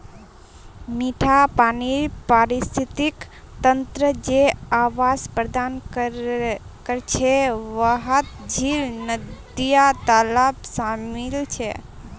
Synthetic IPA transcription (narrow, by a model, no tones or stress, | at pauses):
miʈʰapaniɾpaɾist̪ʰit̪ik | t̪ənt̪ɾəd͡ʒeaʋaspɾəd̪an | kəɾt͡ʃʰeʋəɦət̪d͡ʒʱilnəd̪ijat̪alapsamɪlt͡ʃʰḛ